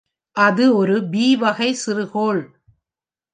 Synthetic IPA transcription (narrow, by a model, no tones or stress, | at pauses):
ʔɐðɯɔɾɯbiːʋɐɣɐɪsɪrɯɣoːɭ